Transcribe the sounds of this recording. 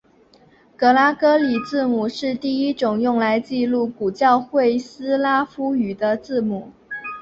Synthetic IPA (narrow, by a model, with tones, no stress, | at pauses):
kɤ˧˥la˥kɤ˥li˨˩t͡sɹ̩˥˩mu˨˩ʂɻ̩˥˧t̪i˥˩i˦˥ʈ͡ʂʊ˨˩ŋjʊ˥˩ŋla˧˥ɪt͡ɕi˥˧lu˥˩ku˨˩t͡ɕjɑ˥˧ʊxwe˥˩ɪsɹ̩˥la˥fu˥y˨˩d̪ə˦t͡sɹ̩˥˩mu˨˩˦